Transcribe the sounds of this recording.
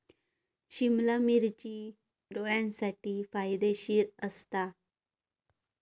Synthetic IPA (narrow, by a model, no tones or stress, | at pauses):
ɕimlamiɾt͡ɕiː | ɖoɭjãnsaʈiːfajd̪eɕiːɾəst̪a